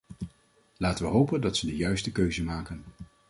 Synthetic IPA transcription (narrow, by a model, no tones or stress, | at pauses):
laːtəʋəɦowpəndɑtsədəjœɥstəkøɥzəmaːkən